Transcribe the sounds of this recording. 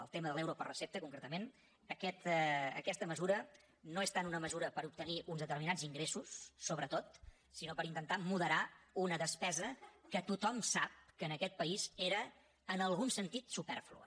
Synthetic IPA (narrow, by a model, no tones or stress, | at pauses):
ə̰lˠt̪eməðəlɛwɾopərəsep̚t̪əkuŋkɾet̪əmen | əkɛt̪əkɛst̪əməzuɾə | noest̪anunəməzuɾəpəɾup̚t̪əniʔunzðət̪əɾrminaziŋɡɾesusːoβɾət̪ot̪ | sinopəɾint̪ənt̪amuðəɾaunəðəspɛzəkət̪ut̪ɔmsap̚kənəkɛt̪̚pəizeɾəː | nəlˠɣunsənt̪it̪supɛ̰rflṵ